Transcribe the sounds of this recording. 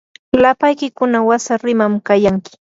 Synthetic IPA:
lapajkɪkʊnawasaɾɪmamkajaŋkɪ̥

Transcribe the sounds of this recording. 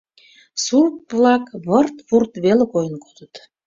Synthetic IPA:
surp̚βlɑkβərt̪βurt̪βelekojənko̥zət̪

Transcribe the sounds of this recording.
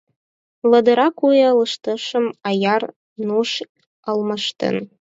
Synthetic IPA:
lɤ̆d̪ɤ̆ɾɑkujləʃt̪ə̆ʃə̆mɑjɑr | nuʃ | əlmɤʃt̪ə̰n

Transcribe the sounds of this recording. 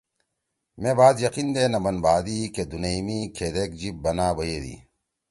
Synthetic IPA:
mẽbaːd̪jɐqind̪eːnɐbɐnbaːd̪iked̪unemikʰeːd̪eːkd͡ʑib̚bɐnaːbɐjeːd̪ḭː

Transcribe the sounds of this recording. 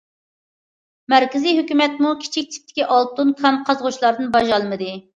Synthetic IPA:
mæɾkʲɪziɦøkʲymɛt̪mukʲʰi̥t͡ʃʰik̚ʲt̪ʰɪ̥p̚t̪ʰːɪ̥kʲiʔɑlˠt̪unkʰɑn̚qʰɑzʁʊt͡ʃlˠɑɾd̪ɨnbɑʒɑlˠmɨd̪ɨ

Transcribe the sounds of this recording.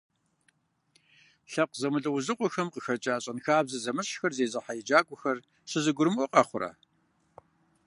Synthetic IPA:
ɬɐqzɐmɨɮɐwʊzɨqʷʼɔxɐmqəxɐrt͡ʃʼaːɕʼɐnxaːbzɐzɐmɨɕxɐrzeːzɨħajɪd͡ʒaːɡʷʼʊxɐr | ɕɨzɨɡʷʊɾɨmʔʷɔqʼɑχʷʊrɐ̰

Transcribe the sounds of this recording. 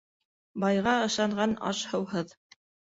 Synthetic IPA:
bɑjʁɑɤ̆ʃɑɴɢɑnɑ̰ʃhɤ̆wɦɤð

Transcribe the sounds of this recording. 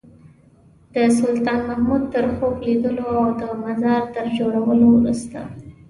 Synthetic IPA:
d̪̥əsʊlt̪ɑnmahmud̪̚t̪əɾxoxlid̪əloawd̪əmazɑɾt̪əɾd͡ʒoɽawəlowɾust̪a̰

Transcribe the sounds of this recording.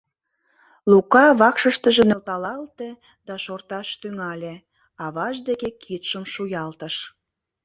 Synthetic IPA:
lukɑβɑkʃəʃt̪ə̆ʒĕnølt̪ɑlɑlt̪e | d̪ɑʃort̪ɑʃt̪yŋɑlʲĕ | ɑβɑʒd̪ekekʰit̪ʃəmʃujɑlt̪əʃ

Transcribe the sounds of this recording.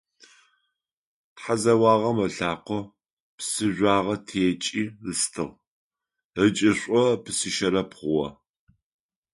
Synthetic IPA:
tħazɐwɑːʁɐmɐɬaːqʷɔ | psɨʒʷaːʁɐtʰeːt͡ʃʼiːɨstʰɨʁ | ət͡ʃʼɪɕʷʼɔpʰɨsɨʃɐɾɐpχʷʊwɐ̰

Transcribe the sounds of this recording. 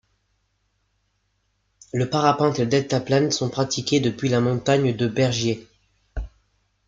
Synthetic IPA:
ləpaʁapɑ̃t̪eləd̪ɛt̪aplansɔ̃pχat̪ikʲed̪əpɥilamɔ̃t̪aɲd̪əbɛʁʒje

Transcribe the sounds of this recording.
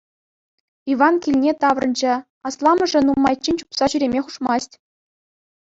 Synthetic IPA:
iʋɑnkʲilʲnʲet̪ɑʋrɤ̆nd͡ʑɘ̆ | ɑslˠɑmɤ̆ʐɘ̆numːɑjt͡ɕːinʲt͡ɕupsɑɕyɾʲemʲeχuʂmɑsʲtʲ

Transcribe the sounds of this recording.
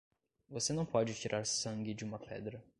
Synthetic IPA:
vosenɐ̃w̃pɔd͡ʒit̪iɾʔaɾsãŋɡid͡ʒ̪iumɐpʰɛ̰d̪ɾɐ

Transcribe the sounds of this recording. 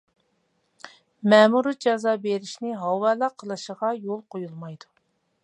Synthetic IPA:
mɛːmuɾɨd͡ʒɑzɑːbeɾɪʃnɪɦɑwɛlɑqʰːəlˠɨʃəʁɑjolˠqʰojulˠmɑjd̪u

